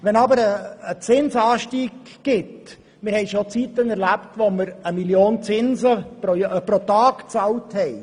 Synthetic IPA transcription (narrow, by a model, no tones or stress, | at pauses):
ʋɛnɑbəɾəːt͡sɪnsəɑːʃtiːɡ̥ːɪt | mɪɾhɛɪʃot͡sitənɛɾlæptʋoməɾəmiljoːnt͡sɪnzəpɾojpɾotɑːɡ̥t͡sɑlthɛɪ